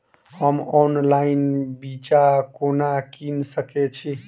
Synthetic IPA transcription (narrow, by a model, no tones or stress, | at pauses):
həmɔnlainbit͡ʃakonakinsəkɛt͡ʃʰi